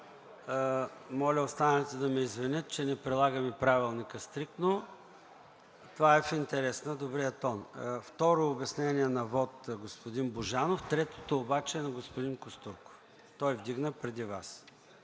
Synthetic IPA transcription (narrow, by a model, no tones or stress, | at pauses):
mɔlʲəost̪anənɛt̪ɛd̪ɐmɛizvɛnʲət̪̚t͡ʃɛnɛpɾɛlˠaɡəmipɾavilˠnikəst̪ɾik̚t̪no | t̪ovaɛfint̪ɛɾɛsnəd̪obɾiət̪ɔnft̪ɔɾoːbɛsnɛniɛnɐvɔt̪ɡospʊd̪inboʒanoft̪ɾɛt̪o̥t̪oːbat͡ʃɛːnɐɡospʊd̪inkost̪uɾko̥f | t̪ɔjvd̪iɡnəpɾɛd̪iva̰s